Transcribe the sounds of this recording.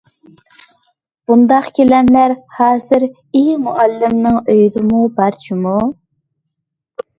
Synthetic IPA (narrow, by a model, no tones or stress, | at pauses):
b̥und̪ɑqkʲʰelɛnlæɾhɑːzɪɾ | imuʔælːɪmnɪŋøjd̪ɪmubɑɾt͡ʃʰimu